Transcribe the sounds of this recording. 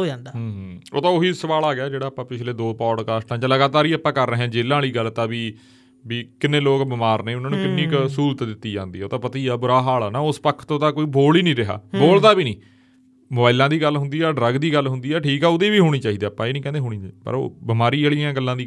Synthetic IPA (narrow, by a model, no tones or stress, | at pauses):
oːd͡ʒãːnd̪aːo̰ːt̪ãːoɦiːsəʋaːlaːɡɪjaːd͡ʒeːɽaːpãːpɪt͡ʃʰleːd̪oːpɔːɖkaːsʈãːt͡ʃələɡaːt̪aːɾiːapãːkəɾəːɦɛ̃ːd͡ʒeːlãːliːɡəlt̪ãːbiː | biːkɪnːẽːloːkbɪmaːɾnẽːʊnãːnũːkɪnːĩːksuːɾt̪d̪ɪt̪ːiːd͡ʒãːnd̪iːɛoːt̪ãːpət̪iːaːbʊɾaːɦaːlaːnaːʊspəkʰːt̪õːt̪ãːkoːiːboːliːnĩːɾɪɦa̰ːboːld̪aːbiːnĩː | mʊbaːɪlãːd̪iːɡəlɦʊ̃nd̪iːɛːɖɾəɡd̪iːɡəlɦʊnd̪iːɛːʈʰiːkɛːʊd̪eːʋiːɦoːɽ̃iːt͡ʃaːiːd̪eːapːãːeːnĩːkɛ̃ːd̪eɦoːɽ̃iːd͡ʒpə̰ɾo̰ːbɪmaːɾiːeːliːjãːɡəlːãːd̪iː